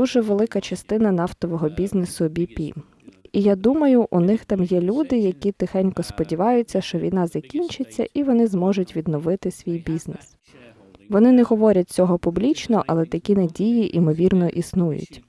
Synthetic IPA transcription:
d̪uʒɛʋelˠɪkɐt͡ʃɐst̪ɪnɐn̪ɑft̪ɔʋɔɦɔbʲiznesʊbʲipʲḭ | ijad̪umɐjʊʔunɪxt̪ɑmjɛlʲud̪ɪjɐkʲit̪ɪxɛnʲkɔspɔdʲiʋɑjʊt͡sʲːɐʃt͡ʃɔʋʲḭjnɑzɐkʲinʲt͡ʃɪt͡sʲːɐʔiʋɔnɪzmɔʒʊtʲʋʲid̪nɔʋɪt̪ɪsʲʋʲijbʲiznes | ʋɔnɪnɛɦɔʋɔɾʲɐt̚ʲt͡sʲɔɦɔpʊblʲit͡ʃnɔʔɐlˠɛt̪ɐkʲinɐdʲijiʔimɔʋʲirnɔʔisnujʊ̰tʲ

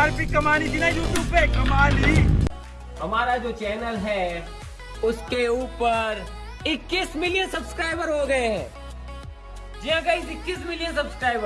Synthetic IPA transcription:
aɾpikːɐmaːnid͡ʒinajuːʈjuːbɛːkɐmaːni | hɐmaːɾad͡ʒoːt͡ʃɛːnəlɦɛ | ʊskeuːpəɾ | ɪkːɪsmɪlijənsɐbskɾaːɪbəɾɦoɡɐeɦɛ̃ː | d͡ʒiãɡɐisɪkːismɪlijənsɐbskɾaːɪbəɾ

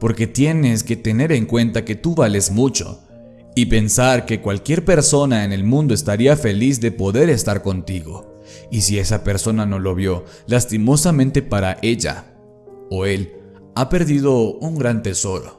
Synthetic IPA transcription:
po̞ɾke̞t̪je̞ne̞ske̞t̪e̞ne̞ɾe̞ŋkwe̞nt̪ake̞t̪uβale̞zmut͡ʃo̞̰ | ipe̞nsaɾke̞kwalkje̞ɾpe̞ɾso̞naene̞lmũnd̪o̞est̪aɾiafe̞lizðe̞po̞ðe̞ɾe̞st̪aɾko̞nt̪iɣo̞̰ | isie̞sape̞ɾso̞nano̞lo̞βjo̞ | last̪imo̞samẽnt̪e̞paɾaʔe̞ʝa̰ | oe̞l | ape̞ɾðið̞o̞uŋɡɾant̪e̞so̞ɾo̞̰

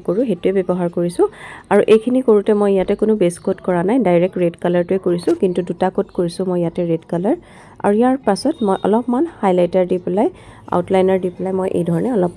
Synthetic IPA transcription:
koɹuɦetʊɛbɛbɔɦaɹkoɹisʊ̃aɹuʔejkʰinikoɹutɛmojjatɛkʊnʊbeskotkɔɹanajdajɹɛk̚tɹedkalaɹtʊɛkoɹisʊ̃kintudutakotkoɹisʊ̃mɔjjatɛɹedkalaɹ | a̰ɹujaɹpasɔtmɔjʔɔ̰lɔpmanhajlajtaɹdiplaja̰ʊtlajnaɹdiplajmojʔḛjdʱɔɹɔnɛɔlɔp

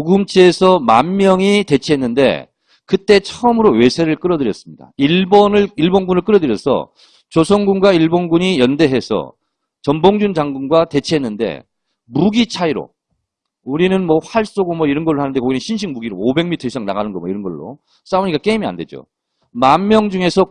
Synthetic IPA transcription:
oɡɯmt͡ɕʰeːsʰʌma̰nːjʌŋite̞t͡ɕʰeɦenːɯnde̞̰ | kɯt͈e̞t͡ɕʰʌɯmɯɾowe̞sʰe̞ɾɯɭk͈ɯɾʌdɯɾjʌs͈ɯmɲida̰iɭbonɯɭiɭbonɡunɯɭk͈ɯɾʌdɯɾjʌsʰʌ̰ | t͡ɕosʰʌŋɡunɡwaiɭbonɡuɲijʌnde̞ɦe̞sʰʌ̰ | t͡ɕʌmboŋd͡ʑund͡ʑaŋɡunɡwate̞t͡ɕʰeɦe̞nːɯnde̞̰ | muɡit͡ɕʰaiɾo̰ | uɾinɯnmʌɸaɭs͈oɡomʌiɾʌnɡʌɭohanɯndekoɡinɯnɕʰinɕʰiŋmuɡiɾoobe̞ŋmitʰʌɕisʰaŋna̰ɣanɯnɡʌmwʌiɾʌnɡʌɭːo̰ | s͈aoɲik͈ak͈e̞imia̰nde̞d͡ʑo̰ | manːjʌŋd͡ʑuŋe̞sʰʌ

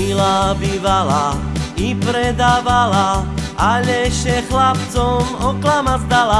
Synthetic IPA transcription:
ilabiːvalaipɾɛd̪aːvalaaʎɛʃɛxlapt͡sɔmɔklamazd̪ala

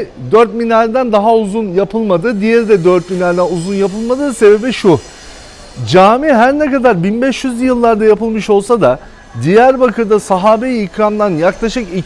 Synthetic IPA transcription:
d̪øɾt̪minʲaɾd̪ænd̪aɦauzunjapʰɯlˠmad̪ɯd̪ijɛɾd̪ɛd̪øɾt̪minaɾd̪ænuzunjapʰɯlˠmad̪ɯse̞be̞biʃu | d͡ʒaːmiɦæɾnɛkad̪aɾbinbɛʃjyzjɯlˠːaɾd̪ajapɯlˠmɯʃo̞lˠsad̪a | d̪ijæɾbakʰɯɾd̪asaɦaːbejiicɾamd̪anjaklˠaʃɯki

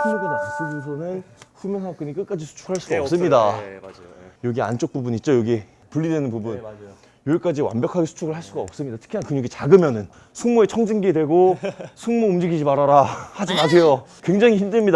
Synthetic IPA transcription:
pʰumoɡenaɕʰis͈ɯd͡ʑos̬ʰʌnɯnɸumjeŋsʰak͈ɯnik͈ɯk͈ad͡ʑisʰu̥t͡ɕʰu̥ɡɯhaɭs͈uɡaʌps͈ɯmɲida | jʌɡia̰nt͡ɕ͈ok̚p͈ubuɲit̚t͡ɕ͈ojʌɡi | puʎːidwenɯnpubun | joik͈ad͡ʑiwa̰nbjʌkʰaɡesʰu̥t͡ɕʰuɡɯɭhaɭs͈uɡaʌp̚s͈ɯmɲidatʰɯ̥kʰinankɯɲoɡit͡ɕaɡɯmjʌnɯn | sʰuŋmoet͡ɕʰʌŋd͡ʑiŋɡedwe̞ɡosʰuŋmoumd͡ʑiɡid͡ʑimaɾaɾahad͡ʑimaɕʰe̞jokwe̞ŋd͡ʑaŋiçindɯmɲida

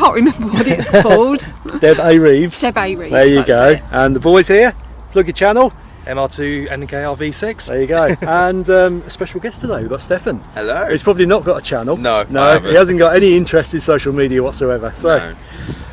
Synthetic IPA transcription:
kʰɑ̃ˑnʔɹimə̃mbdsbʊlˠd̥d̥ɛbeɪɹiːvz̥d̥ɛbeɪɹiðəjəɡoʊʔə̃nðəbɔɪz̥hiə | plʊɡət͡ʃʰanəl̩ˠ | ʔɛ̃mɑːtʰʉːɛ̰̃nkʰeɪɑːviːsɪksðɛ̰ːjəɡoʊə̃nʌ̃məspɛʃəl̩ˠɡɛstʰədeɪwivɡɒtstɛfə̃nɛloʊhiz̥pʰɹ̥ɒbəblinəʔ̚ɡ̥ɒtət͡ʃʰanəlˠnoʊnoʊihazə̃nɡ̥ɒtɛniɪ̃nt͡ʃɹ̥ɛstɪ̃nsoʊʃəlˠmiːɾiəwɒtsoʊɛvəsoʊ

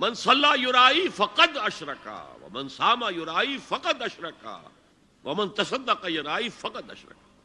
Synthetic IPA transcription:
mɐnsɐlːaːjʊɾaːifɐqɐd̪ɐʃɾɐka̰wɐ̰mɐnsaːmajʊɾaːifɐqɐd̪ɐʃɾɐka̰ | wɐmɐnt̪ɐsɐd̪ːɐqajʊɾaːifɐqɐd̪ɐ̰ʃɾɐ̰ka

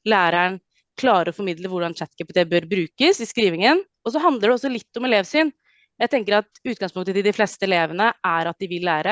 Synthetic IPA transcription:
læːɾæɳ | kʰlɑːɾəɾɔfɔɾmɪd̪ləʋʊɖɑnt͡ʃɛt̪ːkʰæpɪt̪ʰeːbœɾbɾʉːkəsɪskɾiːʋɪŋən | ɔs̬ɔɦɑnd̪əɖɛɔsːɔlɪt̪ːɔmɛleːʋsyːn | jæɪt̪ʰɛŋk̬əɾɑt̪ʉːt̪ɡɑŋspʊŋt̪əd̪ɪd̪ɪfleːst̪əɛleːʋənəʔæɾɑt̪̚d̪ɪʋɪlːæːɾə

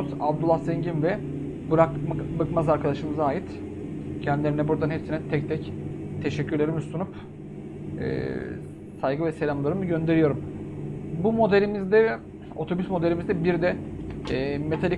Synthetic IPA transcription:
sabd̪ulˠasɛɲɟinvɛ | bɾakbɯkmazaɾkʰad̪aʃɯmɯzaːjit̪ | cʰɛnd̪ilʲeɾinɛbuɾd̪anɦɛpsinɛt̪ʰɛc̚t̪ʰɛct̪ʰe̞ʃɛcːyɾlʲeɾimust̪unup | ɛ̰ | sajɡɯvɛse̞lʲamlˠaɾɯmɯɟø̞nd̪e̞ɾijo̞ɾum | bumo̞d̪elʲimizd̪ɛ | o̞t̪ʰo̞bysmo̞d̪elʲimizd̪ɛbiɾd̪ɛ | me̞t̪ʰalʲi

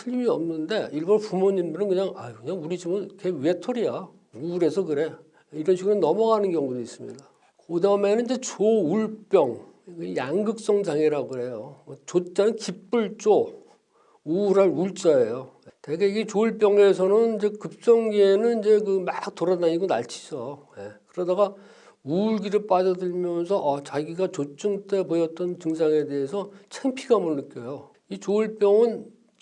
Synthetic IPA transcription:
sʰɯʎmiʌmnɯnde̞iɭbʌnpumoɲinbenɯnkɯɲaŋakɯɲaŋuɾid͡ʑimɯnkewe̞tʰoɾia | uːɾe̞sʰʌkɯɾe̞ | iɾʌnɕʰiɡɯɾonʌmʌɡanɯnkjʌŋɡudois͈ɯmɲḭda | kodamenɯnid͡ʑe̞t͡ɕouɭp͈jʌŋ | jaŋɡɯk̚s͈ʌŋd͡ʑaŋiɾaɡoe̞jot͡ɕot͡ɕ͈anɯnkip͈uɭt͡ɕ͈o | uːɾɦanuɭt͡ɕ͈aejojteɡe̞iɡet͡ɕoɭp͈jʌŋe̞sʰʌnɯnid͡ʑe̞kɯp̚t͡ɕ͈ʌŋɡienɯnind͡ʑe̞kɯmak̚t͈oɾadaɲiɡona̰ɭt͡ɕʰi̥d͡ʑʌjekɯɾʌdaɡa | uɭɡiɾɯɭp͈ad͡ʑʌdɯɭmjʌnsʰʌʔʌt͡ɕaɡiɡat͡ɕot͡ɕ͈ɯŋt͈e̞pojʌt̚t͈ʌntɯŋsʰaŋe̞de̞ɦesʰʌt͡ɕʰeŋpʰiɡamoɭːɯk͈jʌjo | it͡ɕoɭp͈jʌŋɯn

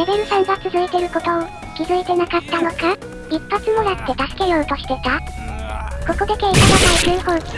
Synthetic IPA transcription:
ɾe̞be̞ɾɯ̟sãŋɡat͡sɨzɨit̪e̞ɾɯ̟ko̞t̪o̞o | kʲizɨit̪e̞nakat̪ːano̞ka | ipːat͡sɨmo̞jat̪ːe̞t̪asɨ̥ke̞joːt̪o̞ɕi̥t̪e̞t̪a | ko̞ko̞d̪ekeit̪ananaid͡ʑɨːhõɴ

